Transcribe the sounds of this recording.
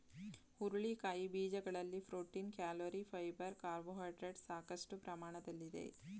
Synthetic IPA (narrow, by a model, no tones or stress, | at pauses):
uɾuɭikaːjibiːd͡ʒɐɡɐɭɐlːifɾoːʈinkjaːloːɾifʰɐjbɐɾkaːɾboːɦaːʈɾeɖsaːkɐsʈupɾɐmaːɳɐd̪ɐlːid̪ḛ